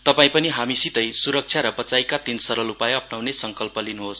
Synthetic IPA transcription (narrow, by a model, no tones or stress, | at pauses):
t̪ʌpaĩpʌniɦamisit̪ʌjsuɾʌk̚t͡ʃʰjaɾʌbʌt͡sajkat̪insʌɾʌlupajʌpnawnesʌŋkʌlpʌlinuɦos